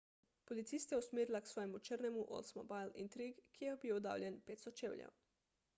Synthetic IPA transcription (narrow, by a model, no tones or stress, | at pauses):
polit̪sist̪jɛusmeːɾilaksʋɔːjɛmut͡ʃəɾnɛmuʔo̰lsmo̰bajlḭnt̪ɾiɡkːijɛbiːwd̪a̰ːwlʲjʲɛnpeːt̪st̪ɔt͡ʃeːwlʲjɛ̰w